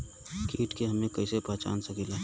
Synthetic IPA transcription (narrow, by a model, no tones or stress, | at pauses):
kiːʈkeɦəmẽkəɪsepəɦt͡ʃa̰ːnsəkila